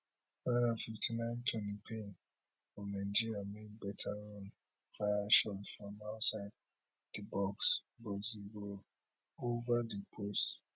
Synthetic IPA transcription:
nãnafiftʰinãɪ̃ntʰɔ̃nipʰẽn | fɔnãd͡ʒiɾiamitbɛtʰaɹõn | faaʃɔtfɹɔ̃maʊtsaɪd̚ | dibɔksbɔzibɔl | ovadipʰost

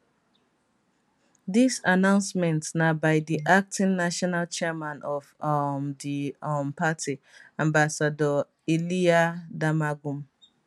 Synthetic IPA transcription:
disanãʊ̃nsmɛ̃ntsnabaɪdiʔak̚tĩnnaʃɔnalt͡ʃɛmãnʔɔvmdimpatʰi | ãmbasadɔ | iliadamaɡũm

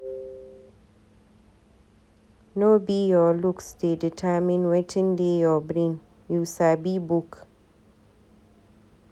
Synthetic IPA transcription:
nobijɔluksdeditʰamĩnwɛtɪ̃ŋdejɔbɾin | jusabibuk

